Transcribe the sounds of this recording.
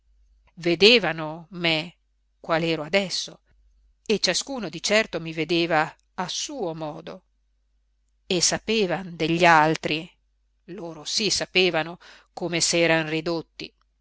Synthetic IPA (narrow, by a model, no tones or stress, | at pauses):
ved̪eːvanome | kwaːlɛːɾoad̪ɛsːo | et͡ʃaskuːnod̪it͡ʃɛrt̪omived̪eːvaː | suːomɔːd̪o | esːapeːvand̪eʎːalt̪ɾi | loːɾosisapeːvano | komesɛːɾanrid̪ot̪ːḭ